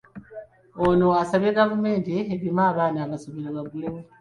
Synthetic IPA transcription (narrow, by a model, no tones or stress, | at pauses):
onoasaβe̞ɡavume̞ːnteːβimaːβaːnaːβasoβiɾaβaɡulemu